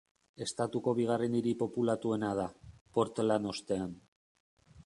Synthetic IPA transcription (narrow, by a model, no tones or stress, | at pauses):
e̞st̪at̪uko̞βiɣ̞areniɾipo̞pulat̪ue̞nað̞apo̞ɾt̪lano̞st̪e̞an